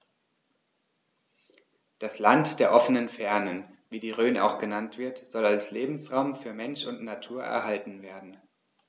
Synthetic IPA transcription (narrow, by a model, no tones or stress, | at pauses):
d̥aslantd̥eːɐʔɔfənənfɛɐnənviːdiːʁøːnʔa̰ʊxɡ̥ənantv̥ɪɐtz̥ɔlalsleːbm̩sʁaʊmfyːɐmɛnʃʊntnatʰuːɐʔɛ̰ɐhaltn̩veːɐdn̩